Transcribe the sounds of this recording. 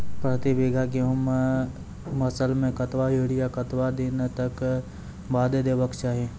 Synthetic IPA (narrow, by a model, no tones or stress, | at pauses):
pɾət̪ibeːɡʱakeɦəm | mɐsəlmẽkɐt̪ʋaɦeɽijakɐt̪wad̪ɪnt̪ɐk | baːd̪ed̪eːʋəkt͡ʃaːɦẽː